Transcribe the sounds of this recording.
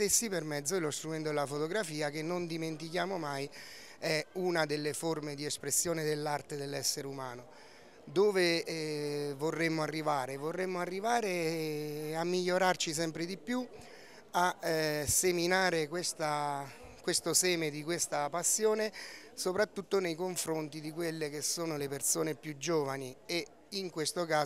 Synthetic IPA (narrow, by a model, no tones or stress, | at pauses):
t̪esːipermɛd̪zːod̪elost̪ɾumɛnt̪od̪elafot̪oɡɾafiːak̟enːond̪iment̪ikjaːmomaj | ɛunad̪elːeformed̪iespɾesːjoːned̪elːart̪ed̪elːɛsːeɾeumaːno | d̪oːve | vorːemːoarːivaːɾevorːemːoarːivaːɾe | amːiʎːoɾart͡ʃis̬ɛmpɾed̪ipju | aseminaːɾekwest̪a | kwest̪osɛːmed̪ikwest̪apasːjoːnesopɾat̪ːut̪ːonejkoɱfɾont̪id̪ikwelːekesːoːnolepersoːnepjud͡ʒːoːvanie | iŋkwest̪okaː